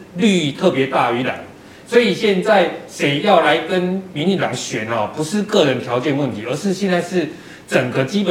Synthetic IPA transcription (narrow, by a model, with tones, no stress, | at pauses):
ly˥˧˥t̪ʰɤ˥˨˩pjɛ˧˥˦t̪a˥˩y˧˥la̰˨˩˦ | swo˧˥i˨˩ɕjɛ˥˧nt͡sa˥˩ɪʂe˨˥ɪjɑ˥˩ʊla˧˦ɪkə˦nmi˧˦nt͡ɕi˥˩ŋt̪ɑ̰˨˩ŋɕɥɛ˨˦nɐ˨˩pu˧˦ʂɻ̩˥˨˧kɤ˥˩ɻə˧˦nt̪ʰjɑ˧˥ʊt͡ɕjɛ˥˧nwə˥˩nt̪ʰi˨˦ə˞˧˦ʂɻ̩˥˧ɕjɛ˥˧nt͡sa˥˧ɪʂɻ̩˥˩ | t͡sə˨˩ŋɡə˦t͡ɕi˥pə˨